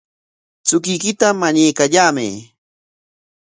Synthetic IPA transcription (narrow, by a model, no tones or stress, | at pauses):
t͡sʊkɪjkɪt̪amaɲajkaʎaːmɪ̰